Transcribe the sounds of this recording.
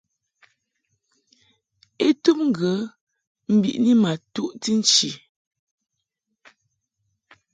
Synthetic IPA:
e˦tu˦p̚ŋ̩˦˨ɡə˨˦ | m̩˦bḭ˨ʔni˦ma˨tu˦ʔti˦n̩˦t͡ʃi˨

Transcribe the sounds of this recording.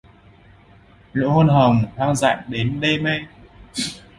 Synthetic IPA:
lo̰˧˥ho˧nɦə˨˩ŋ͡mhaː˧ŋza̰ː˧˨ŋɗe˨˦nɗe˧ma˧j

